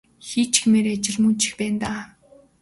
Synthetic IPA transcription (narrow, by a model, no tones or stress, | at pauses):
xiːt͡ɕ̆xemeːɾeːat͡ɕɪ̆ɮmɵnt͡ɕɪ̥̆xpæːnt̪aː